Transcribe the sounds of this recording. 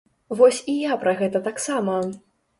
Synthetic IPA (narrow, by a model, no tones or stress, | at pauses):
vɔsʲijapɾɐɣɛt̪ɐt̪aksamɐ